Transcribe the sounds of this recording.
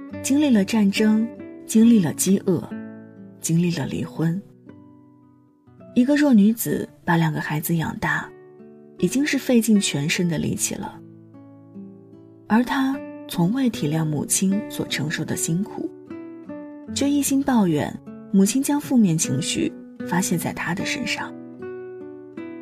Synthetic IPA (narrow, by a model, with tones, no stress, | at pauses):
t͡ɕi˥ŋli˥˩lə˩ʈ͡ʂa˥˩nʈ͡ʂɤ˥ŋt͡ɕi˥ŋli˥˩lə˩t͡ɕi˥ʔɤ˥˩ | t͡ɕi˥ŋli˥˩lə˩lḭ˧˥xwə˥n | i˧˥ɡə˧ɻwɔ˥˩ny˧˥t͡sɹ̩˨˩pa˧˥ljɑ˨˩ŋɡə˧˦xa˧˥ɪd͡zɹ̩˧jɑ̰˨˩ŋt̪a˥˩ | i˨˩t͡ɕi˥ŋʂɻ̩˥˧fe˥˧ɪt͡ɕi˥˩ŋt͡ɕʰɥɛ˧˥nʂə˥nd̪ə˨lḭ˧˥t͡ɕʰḭ˨˩lə̰˦ | ə˞˧˥t̪ʰa˥t͡sʰʊ˧˥ŋwe˥˩ɪt̪ʰi˨˩ljɑ˥˩ŋmṵ˨˩t͡ɕʰi˥nswɔ̰˨˩ʈ͡ʂʰɤ˧˥ŋʂo˥˩ʊd̪ə˨˩ɕi˥nkʰṵ˨˩˦ | t͡ɕɥɛ˥˧i˥˩ɕi˥nt̪ɑ˥˩ʊɥɛ̰˧˩˦n | mu˨˩t͡ɕʰi˥nt͡ɕjɑ˥ŋfu˥˧mjɛ˥˩nt͡ɕʰi˧˥ŋɕy̰˥˩ | fa˥ɕjɛ˥˧nt͡sa˥˩ɪt̪ʰa˥d̪ə˨ʂə̰˥nʂɑ̰˥˩ŋ